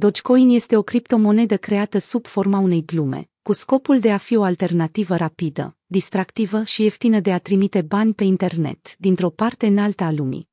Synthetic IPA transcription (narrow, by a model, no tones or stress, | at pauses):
d̪o̞t͡ʃko̞inje̞st̪e̞o̞kɾipt̪o̞mo̞ne̞d̪əkɾe̞at̪əsub̥fo̞rmaune̞jɡlume̞̰ | kusko̞puld̪e̞afio̞alt̪e̞rnat̪ivəɾapid̪ə̰ | d̪ist̪ɾakt̪ivəʃie̞ft̪inəd̪e̞at̪ɾimit̪e̞banʲpe̞int̪e̞rne̞̰t̪d̪int̪ɾo̞part̪e̞ɨnalt̪əalumḭ